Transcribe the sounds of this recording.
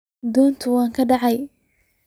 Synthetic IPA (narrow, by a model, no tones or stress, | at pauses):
d̪ɔːnt̪ʰʊwɑːŋkʰɐɖɑʕɑj